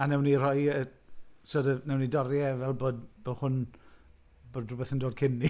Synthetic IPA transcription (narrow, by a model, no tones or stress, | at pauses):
anɛwnir̥ɔjəsoːdənɛwnidɔɾjɛvɛlˠboːd̚b̥ohʊn | b̥oːdrubɛːθɪndoːd̚kʰɪnːi